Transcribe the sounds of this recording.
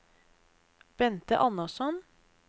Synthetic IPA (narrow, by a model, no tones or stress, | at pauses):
b̥ɛnt̪ə̰ʔɑnɑsɔn